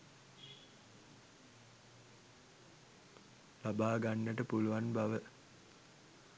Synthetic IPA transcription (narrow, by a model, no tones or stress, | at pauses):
labaːɡanːəʈəpuluʋanbaʋə